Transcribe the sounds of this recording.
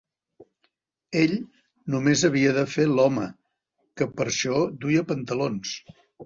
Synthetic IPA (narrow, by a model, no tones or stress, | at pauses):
eʎ | numezəβiəðəfelɔmə | kəpəɾʃɔd̪ujəpənt̪əlons